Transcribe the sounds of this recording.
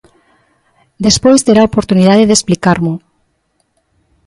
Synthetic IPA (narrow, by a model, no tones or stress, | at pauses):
d̪espojst̪eɾaopoɾt̪uniðaðeðesplikaɾmʊ